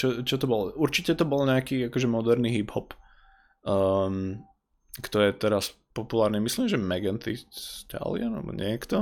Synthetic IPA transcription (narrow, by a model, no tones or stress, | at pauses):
t͡ʃɔt͡ʃɔt̪ɔbɔluɾt͡ʃicɛt̪ɔbɔlɲɛakiːakɔʒɛmɔd̪ɛɾniɦiphɔp | əm | kt̪ɔɾiɛt̪ɛɾas | pɔpulaːɾnimisliːmʒɛmɛɡɛnt̪it̪a̰lianlɛ̰bɔ̰ɲɪɛkt̪ɔ